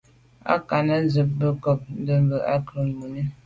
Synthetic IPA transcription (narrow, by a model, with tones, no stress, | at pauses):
a̰˦ka˨nə˦zə˨p̚bə˦kɔ˨p̚n̩˦də˨m˦bə˨ʔa˦kɾə˨˦mu˨ni˦